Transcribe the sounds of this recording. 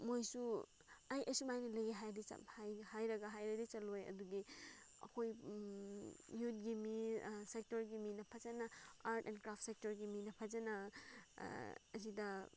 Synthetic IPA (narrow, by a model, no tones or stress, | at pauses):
mojsu | ajʔɐsumajnɐlɐjiɦajdit͡ʃɐ̰hajhajɾɐɡɐɦajɾɐdit͡ʃɐlojɐ̰duɡiɐ̰kʰoj | jut̚ɡimisek̚tɔɾɡiminɐpʰɐzɐnɐaɾtenkɾap̚ʰt̚sek̚tɔɾɡiminɐpʰɐzɐnɐ | ɐzidɐ